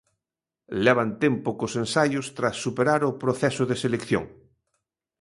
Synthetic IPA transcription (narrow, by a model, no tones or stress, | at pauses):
leβ̞ant̪empokosẽnsajost̪ɾasːupeɾaɾopɾoθesoðeselekθjõ̰ŋ